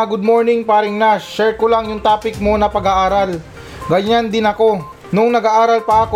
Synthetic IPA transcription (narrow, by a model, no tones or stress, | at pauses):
ɡʊd̪̚mo̞ɹnɪŋpaːɾɪŋnaʃɛɹkolaŋjʊŋt̪aːpɪk̚mo̞nɐpɐɡaʔaːɾal | ɡɐɲand̪ɪnɐko̞ | nʊŋnɐɡaʔaːɾɐlpɐʔɐko